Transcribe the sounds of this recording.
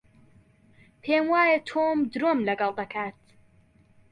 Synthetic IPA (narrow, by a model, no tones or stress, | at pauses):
pʰeːmwaːjet̪ʰoːmd̪ɾoːmlɐɡɐlˠd̪ɐkʰaːt̪